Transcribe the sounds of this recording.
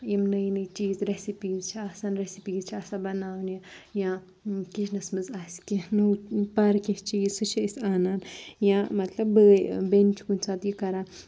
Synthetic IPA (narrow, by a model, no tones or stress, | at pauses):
jimnɐjnɨt͡ʃiːzɾesipiːzt͡ʃʰiasaːnɾesipiːzt͡ʃʰiɐsabɐnaːwnijãː | kit͡ʃʰnɐsmɨzasi̥kinuwpɐɾkʲeht͡ʃiːzsɨʃʰiisʲaːnaːnjãmɐt̪lɐbbəbent͡ʃʰi̥kunʲt͡saːt̪jikɐɾa